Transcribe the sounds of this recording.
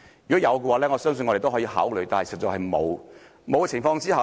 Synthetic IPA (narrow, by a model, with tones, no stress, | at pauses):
yː˨kɔ˨˥jɐ˨˧wkɛ˧waː˨˧˥lɛː˥ŋɔ˨˧sœː˥ŋs̬ɵ˧nŋɔ˨˧ɾe˨to˥˧ɦːiː˧ha̰ː˨˥wlɵ˨˩t̪aː˨nhsɐ˨˩t͡sɐ˨khɐ˨jmo̰˨˧w | mo˨˧wɛ˧t͡sʰɪ˨˩ŋfɔː˧ŋt͡siː˥hɐ˨